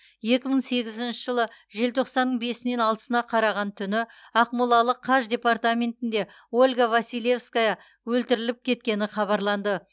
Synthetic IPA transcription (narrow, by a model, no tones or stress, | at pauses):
je̞kʲɪməɴse̞ɡʲɪzɪnʃɪʒəlˠəʒe̞lt̪ʰo̞qsɑnːəɴbe̞sɪne̞nɑlˠt̪ə̥sənɑqʰɑɾɑʁɑnt̪ʰʏnɪ | ɑqmulˠɑlˠəqʰːɑʒd̪ʲe̞part̪amʲe̞nt̪ɪnd̪e̞ | o̞lʲɡavasijlʲe̞fskajɑ | wɵlt̪ɪɾɪlɪp̚kʲʰe̞t̪̚kʲe̞nɪχɑβɑɾlˠɑnd̪ə